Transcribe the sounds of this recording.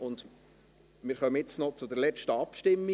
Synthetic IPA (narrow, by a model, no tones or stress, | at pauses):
ʊnd̪ | mɪːɾχœməɪt͡snɔt͡sʊd̪əɾlɛt͡ʃtəɑpʃtɪmːi